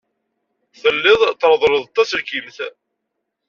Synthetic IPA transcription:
θəlːɪðˤt̪ːɾðˤləðˤt̪ːæsəlkimθ

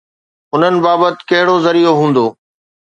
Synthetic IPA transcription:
ʊn̤ənɪ̆baːbət̪ɪ̥̆kɐɦɪɽozɐɾijoɦũːn̆d̪oː

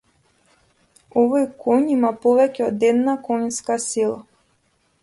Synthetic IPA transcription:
ɔvojkʰɔnimapɔvɛcʲɛɔd̪ɛd̪nakɔɲskasilˠa

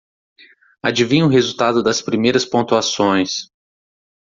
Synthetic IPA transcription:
ad͡ʒivĩɲʊɦezut̪ad̪ʊd̪ɐspɾimejɾɐspõnt̪uasõj̃s

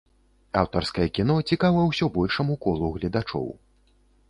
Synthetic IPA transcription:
awt̪ɐrskɐjɐkʲin̪ɔt͡sʲikavɐjwsʲɔbɔlʲʂɐmukɔlˠuɣlʲɐd̪at͡ʂɔ̰w

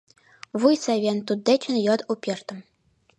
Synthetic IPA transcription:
vujsæβʲent̪ud̪ːet͡ɕʰɘ̆njɑd̪upʲert̪ɤ̆m

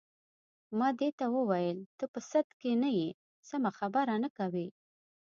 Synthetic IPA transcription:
mɑd̪et̪awəwajəlt̪əpəsat̪kenaji | samaxabaɾanəkawi

